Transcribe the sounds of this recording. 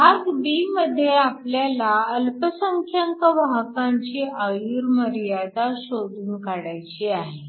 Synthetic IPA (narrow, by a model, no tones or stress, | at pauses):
akbiməd̪ʱːjeapljalaəlpəsəŋkʰjəŋkəʋaɦkaɲt͡ɕiəjuɾməɾijad̪aɕod̪ʱuːnkaɽajt͡ɕiaɦe